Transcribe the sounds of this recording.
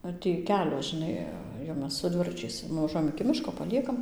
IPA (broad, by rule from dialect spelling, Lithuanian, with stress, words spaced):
ˈɐr tʲiː ˈkʲæːlʲoː ʒʲɪˈnɐɪ jɛʊ ˈmʲɛs sʊ ˈdʲʋʲɪrɐt͡ʃʲɛɪs nʊʋɐˈʒuɔjɛm ɪkʲɪ ˈmʲɪʃkoː pɐˈlʲiɛkɐm